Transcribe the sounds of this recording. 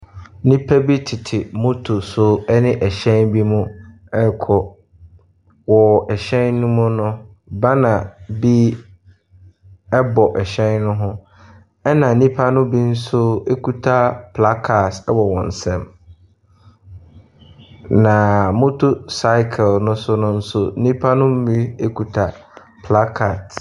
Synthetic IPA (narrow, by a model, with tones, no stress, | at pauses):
nĩ˦pʰæ˦bi˦tʰɪ˨tʰɪ˨mʊ̃˦tʰʊ˨sʊ˦ɛ˦nɪ̃˦ʔɛ˨ɕɛ̃˦nbi˦mʊ̃˦ | ɛ˦kʰɔ˨ | wɔ˨ɛ˨ɕɛ̃˦nnʊ̃˦mʊ̃˦nʊ̃˦ | bã˦nã˨bi˦ | ɛ˦bɔ˨ʔɛ˨ɕɛ̃˦nːʊ̃˦ɦʊ̃˦ | ɛ˦nã˨nĩ˦pʰa˦nʊ̃˦bi˦n̩˦sʊ˦e˦kʰu˦tʰa˦pʰla˦kʰa˨tɛ˦wɔ˨wɔ̃˨n̩˨sɛ̃˦m | nã˨mʊ̃˦tʰʊ˦sa˦ɪ˦kʰɛ˨lnʊ̃˦sʊ˦nʊ̃˦n̩˦sʊ˦nĩ˦pʰa˦nʊ̃˦m̩˦mĩ˦e˦kʰu˨tʰa˨ | pʰla˦kʰa˨t